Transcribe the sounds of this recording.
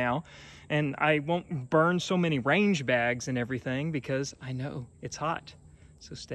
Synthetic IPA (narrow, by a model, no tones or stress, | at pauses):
aʊ | ʔɨ̃na̰ɪwõʊ̃nb̥ɜ̃˞nsoʊmɛɾ̃iɹẽɪ̃nd͡ʒbæɡzɨ̃nɛvɹiθɪ̃ŋbɨkʰʌzaɪnoʊɨtshɑt̚ | soʊste